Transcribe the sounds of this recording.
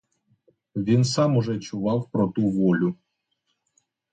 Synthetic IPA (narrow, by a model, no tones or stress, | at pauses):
vʲinsamuʐɛt͡ɕuvawpɾɔt̪uvolʲu